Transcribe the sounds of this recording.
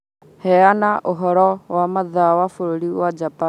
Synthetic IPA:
hɛanaʔoɦɔɾɔwamaðawafoɾoɾiwad͡ʒapa

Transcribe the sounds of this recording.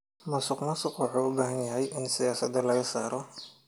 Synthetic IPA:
mɐsʊqmɐsʊqwʊħuʊbaːɦɐnjɐɦɛjʔɪnsɪjaːsɐd̪ɐlɐɣɐsaːɾɔ

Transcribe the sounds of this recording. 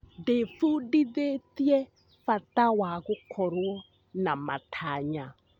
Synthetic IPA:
defudiðetjɛ | fatawaɣʊkʰɔɾwɔ | namatʰaɲa

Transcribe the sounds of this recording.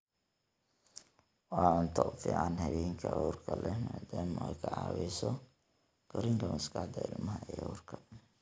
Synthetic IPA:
wɑːʊnt̪ʰɔfḭːʕɑnɦɐβɛːŋkʰɐʔuːrkʰɐlɛmaːd̪aːmɔɛkʰɐʕɑ̰ːwɛsɔ | ɡ̥ɔɾɪŋkʰɐmɐskʰɐħd̪ɐɪlmɐɦɐʔɛṵːrkʰɐ

